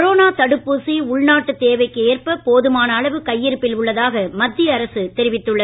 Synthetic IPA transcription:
ɾoːnaːt̪ɐɽɯpːusiʊɭnaːʈːɯt̪eːʋɐɪkːɯeːrpɐpoːðɯmaːnɐːɭɐʋɯkɐjːɪɾɯpːɪlʊɭːɐðaːɣɐmɐd̪ːɪɐɐɾɐsɯt̪ɛɾɪʋɪt̪ːɯɭːɐ

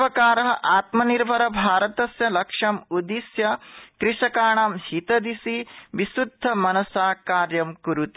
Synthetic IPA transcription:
ʋɐkaːɾɐɦɐʔaːt̪mɐniɾbʱɐɾɐbʱaːɾɐt̪ɐsjɐlɐkʂɐmud̪isjɐkɾiʂɐkaːɳaːmhit̪ɐd̪isiʋisud̪ʱːɐmɐnɐsaːkaːɾjɐmkuɾut̪i

